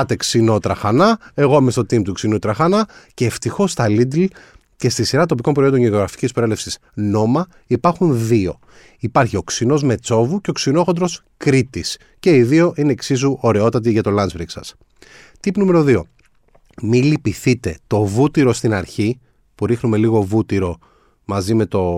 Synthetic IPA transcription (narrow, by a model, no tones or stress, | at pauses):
ɐt̪e̞ksino̞t̪ɾɐxɐnɐe̞ɣo̞mest̪o̞t̪imt̪uksinut̪ɾɐxɐnɐce̞ːft̪ixo̞st̪ɐlid̪l | ce̞st̪isiɾɐt̪o̞p̬iko̞mpɾoo̞ndonʝeoɣɾɐfi̥cispɾoele̞fsis | no̞mɐ | ipɐɾxunðio̞ | ipɐɾçio̞ksino̞zme̞t͡so̞vuce̞o̞ksino̞xond̪ɾo̞s | kɾit̪is | ce̞iðio̞ʔineːksizuʔo̞ɾe̞o̞t̪ɐt̪̬iʝɐt̪o̞lɐnzbɾiksɐ̰s | t̪ipnume̞ɾo̞ðio̞̰ | milipiθit̪e̞t̪o̞vut̪iɾo̞st̪inɐɾçi | puɾixnume̞liɣo̞vut̪iɾo̞ | mɐzime̞t̪o̞